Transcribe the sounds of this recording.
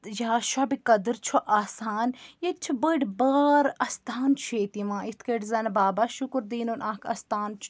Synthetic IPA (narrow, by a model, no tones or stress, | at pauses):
jaːʃabikɐd̪ɨɾt͡ʃʰoʔaːsaːnjet͡ʃʰibəɖbaːɾɐst̪ʰaːnt͡ʃʰeːt̪imãːit̪ʰkeʈzɐnbaːbaʃukɾd̪iːnunʔaːkʰɐ̰st̪aːnt͡ʃʰ